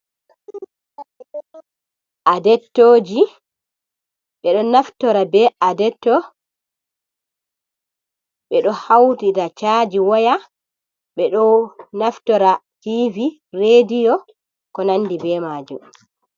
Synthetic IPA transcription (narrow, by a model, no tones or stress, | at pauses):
ʔadɛtːoːd͡ʒi | ɓɛɗɔnaftɔɾabɛadɛtːɔ | ɓɛɗɔhawtitat͡ʃad͡ʒiwɔja | ɓɛɗɔnaftɔɾativi | redijɔ | kɔnanːdibɛːmaːd͡ʒṵm